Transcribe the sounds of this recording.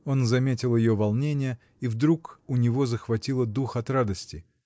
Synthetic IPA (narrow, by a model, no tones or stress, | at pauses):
o̞nzɐmʲetʲɪlˠjɪjovɐlˠnʲenʲɪjə | ivd̪ɾukʊnʲɪvo̞zəxvɐtʲilˠəd̪uxɐt̪rad̪əsʲtʲɪ